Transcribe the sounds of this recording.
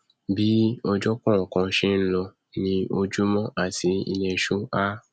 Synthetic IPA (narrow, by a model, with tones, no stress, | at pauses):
bi˦ɔ˧d͡ʒɔ˦kɔ̃˦˨ŋ̩˨kɔ̃˧ʃe˦n̩˦lɔ˧ | nĩ˦o˧d͡ʒu˦mɔ̃˦ʔa˦˨ti˨˦ḭ˧nɛ̃˧ʃu˦a˦